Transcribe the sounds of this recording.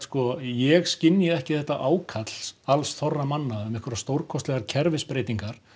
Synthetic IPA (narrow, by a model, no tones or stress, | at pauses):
skɔjɛɣscɪnːjɪɛhcɪθɛht̪ːaʔaːwkʰat̪l̥salsθɔrːamanːaʏmɪhkvʏɾast̪owɾ̥kʰɔst̪lɛɣaɾcʰɛɾvɪspɾejt̪iŋkaɾ̥